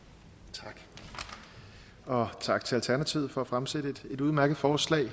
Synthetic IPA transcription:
t͡sʰɑɡ̥ | ɒ̽t͡sʰɑ̈ɡ̥t͡sʰe̝lælt͡sʰæɐnæt͡sʰiʊ̰fɒ̽æfʁamseɾəed̥e̝d̥uðˠmæɐɡ̥ð̩ˠfɒːslɛ̰ɪ

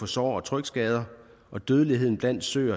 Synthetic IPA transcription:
ɒ̽sɒ̰ːɒ̽t͡sʰʁœɡ̥sɡ̥ɛːð̞ˠɐ | ʔɒ̽d̥øːð̞ˠəliɦe̝ð̞̰ˠn̩b̥læn̰d̥sø̰ːɐ

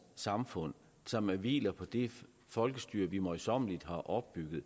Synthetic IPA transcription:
sɑ̈mfɔ̽n̰ | sɒ̽mæɐʋḭːlɐpʰɒ̽d̥e̝ | fɒ̽lɡ̥əsd̥yːɐ̰ʋimɒɪsɒ̽mlid̥ɦɑ̈ʔɒ̽b̥ːyɡ̥ð̩ˠ

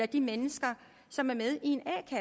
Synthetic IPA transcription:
æd̥imenəsɡ̥ɐ | sɒ̽mæɐmeð̞ˠie̝nɛ̰ːkʰæ

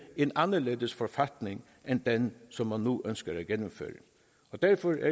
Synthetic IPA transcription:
enɑnːəɭeːd̪əsfɔɾfɑt̪nɪŋ | ʔɛnd̪ɛnsɔmmɑnnːuːʔœnskəɾæɡɛnːʊmfø̰ːɾə | ɔd̪æɾfɔɾæ̰

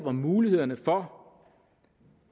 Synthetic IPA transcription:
b̥ɐmuːlihe̝ð̞̰ˠɐnəfɒ

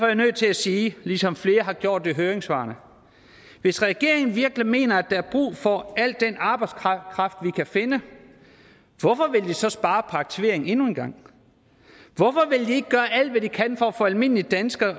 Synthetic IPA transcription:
fɒjanøð̰ˠt͡sʰe̝læsiːlisɒ̽mfle̝ːɐɦɑ̈ɡ̥jo̝ɐ̰d̥ːe̝ɦøːɐʁeŋsʋɑ̰̈ːnə | ʋe̝sʁɛɡ̥e̝̰ɐ̰eŋn̩ʋiɐɡ̥lime̝̰ːnɐæd̥ɑ̈æɐb̥ʁṵːfɒ̽æl̰d̥ːenɑ̈ːb̥ɑ̈ɪd̥skʰkʰʁɑ̈fd̥ʋikʰæfe̝nə | ʋɒfɒ̽ʋe̝ld̥isɒ̽sb̥ɑ̈ːpʰɑ̈ɡ̥̚t͡sʰiʋe̝ɐ̰eŋ̩e̝nuenɡ̥ɑ̈ŋ̰ | ʋɒ̽fɒ̽ʋe̝ld̥ie̝ɡ̥əɡ̥ɶːɐʔæl̰d̥ʋæd̥ikʰænfɒːfɔ̽ælme̝n̰lid̥ænsɡ̥ɐ

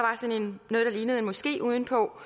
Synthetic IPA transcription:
ʋɑ̈sɒ̽ne̝nnːɔːð̞ˠd̥ɑliːnəð̞̩ˠenmɒ̽sɡ̥e̝̰ːʔuːð̞ˠn̩pʰɒ̽

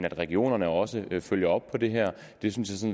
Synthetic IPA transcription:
næd̥ʁɛɡ̥io̝̰ːnɐnəɒ̽səføl̰jɐɒ̽b̥̚pʰɒ̽d̥e̝ɦæɐ̰ | d̥e̝synsjɑ̈sɒ̽n

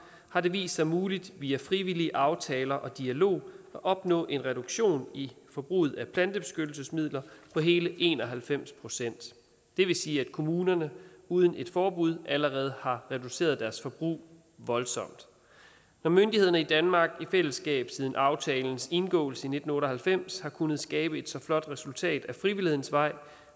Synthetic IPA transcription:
hɑ̈de̝ʋḭːsɑ̈ɪmuːlid̥ʋiːæfʁiʋiliəʔɑ̈ʊt͡sʰɛːlɐʔɒ̽d̥iælo̝̰ːæʔɒ̽b̥nɔ̰ːʔe̝nʁɛɾ̥uɡ̥ɕo̝̰ːnifɒ̽b̥ʁṵːð̩ˠæpʰlænd̥əb̥e̝sɡ̥ød̥l̩səsmið̞̰ˠlɐpʰɒ̽ɦe̝ːləʔe̝̰ːnɒ̽ɦælfem̰spʰʁo̝sen̰d̥ | d̥e̝ʋe̝siːæd̥kʰo̝muːnɐnəuːð̞ˠn̩e̝d̥fɒːb̥uð̞̰ˠʔæləʁɛːð̞ˠhɑ̈ʁɛduse̝̰ːɐðˠd̥æɐsfɒ̽b̥ʁṵː | ʋɒ̽lsɒ̽m̰d̥ | nɒmønd̥ihe̝ð̞̰ˠɐnəid̥ænmɑ̈ːɡ̥ifel̰əsɡ̥ɛ̰ːb̥sið̞ˠn̩ʔɑ̈ʊt͡sʰɛːln̩se̝nɡ̥ɔ̰̽ːl̩səine̝d̥n̩ɔ̽ːɾɐɦælfem̰shɑ̈kʰunəð̞̩ˠsɡ̥ɛːb̥əe̝d̥sɒ̽flɒ̽d̥ʁɛsult͡sʰɛ̰ːd̥æfʁiʋilihe̝ðˠn̩sʋɑ̈ɪ̰

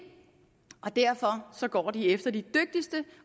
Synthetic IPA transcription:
ɒ̽d̥æɐ̰fɒ̽sɒ̽ɡ̥ɒ̰ːd̥iefd̥ɐd̥id̥øɡ̥̚d̥isd̥ə

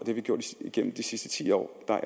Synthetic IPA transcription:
d̥eæʋiɡ̥jo̰ɐ̰d̥iiɡ̥en̰m̩d̥isisd̥ə̥t͡sʰḭːɒ̰ːd̥ɑ̈ʔ

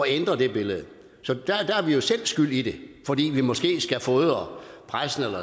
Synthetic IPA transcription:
ɒend̥ʁɐd̥e̝b̥e̝ləð̞̩ˠ | sɒ̽d̥æd̥ææɐʋijo̝sel̰sɡ̥yl̰id̥e̝fɒ̽d̥ḭːʋimɒ̽sɡ̥e̝̰ːsɡ̥æfɔːðˠɒpʰʁasn̩elɐ

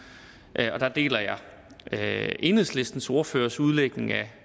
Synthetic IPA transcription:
ʔɒ̽d̥ɑ̈d̥e̝̰ːlɐjɑ̈ɪ | e̝nhesle̝sd̥n̩so̝ːɐfø̰ːɐsuð̞ˠleɡ̥ne̝ŋæ

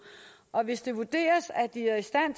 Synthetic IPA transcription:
ʔɒ̽ʋe̝sd̥e̝ʋud̥e̝̰ːɐsæd̥iæɐisd̥æn̰t͡sʰ

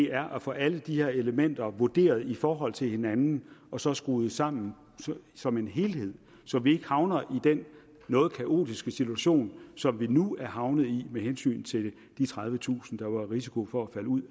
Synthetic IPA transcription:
de̝ʔæɐʔæfɒ̽ʔæləd̥ihe̝ɐe̝ləmen̰d̥ɐʋud̥e̝̰ːɐð̞̩ˠifɒːɦɒ̽l̰t͡sʰe̝lhe̝nænn̩ɒ̽sɒ̽sɡ̥ʁuːð̩ˠsɑ̈m̰n̩ | sɒ̽me̝nɦe̝lhe̝ð̰ˠ | sɒ̽ʋie̝ɡ̥əhɑ̈ʊnɐʔid̥enː | ɔ̽ːð̞̩ˠkʰæʔo̝̰ːd̥isɡ̥əsit͡sʰuæɕo̝̰ːnsɒ̽mʋinuæɐɦɑ̈ʊnəð̩ˠimehensy̰ːnt͡sʰe̝l | d̥it͡sʰʁɑ̈ð̞ˠʋət͡sʰṵːsn̩d̥ɑ̈ʋɑ̈ʁisikʰo̝fɒ̽æfæləuð̰ˠ

